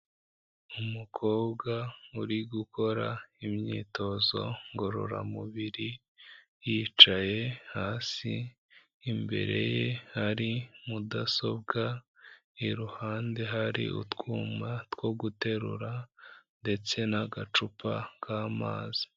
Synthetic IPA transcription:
umukʰo̞ːbɡauɾiɡuko̞ɾaimɲḭːto̞zo̞̰ŋɡo̞ɾo̞̰ɾa̰muβiɾi | jiːt͡ʃaje̞haːsḭː | mbe̞̰ɾe̞̰je̞haɾimudaso̞̰b̚ɡa | iɾuhaːnde̞ɦaɾḭʔṵtɡuːmatko̞ɡute̞ɾṵɾande̞t͡se̞naɡat͡ʃupʰa̰kʰaːma̰ːzi̥

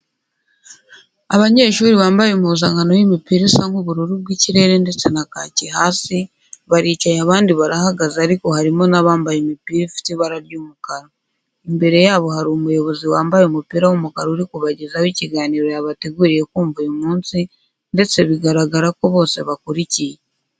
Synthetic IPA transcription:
aβaɲe̞ːʃuːɾiβaːmbajumuzaŋɡanowimipiɾisaŋhuβuɾuɾub̚ɡwiːciɾe̞ɾende̞t͡senakacihaːsi | βaɾiːcajaβaːndiβaɾahaɡazaːɾiko̞haɾimo̞naβaːmbajemipiɾifi̥tiβaɾaɾjuːmukaɾo | imbe̞ɾe̞jaːβo̞haɾomujo̞βo̞ziwaːmbajomupiːɾawomukaɾouɾikuβaɟezawiːciɡaːniɾo̞jaβateɡuːɾije̞kuːɱvujomuːnsi | nde̞t͡se̞βiɡaɾaɡaɾako̞βo̞ːse̞̰βakuɾicije

